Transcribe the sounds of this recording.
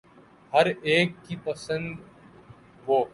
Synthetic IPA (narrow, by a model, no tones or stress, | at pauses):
hɐɾeːkːipɐsə̃nd̪ | ʋoː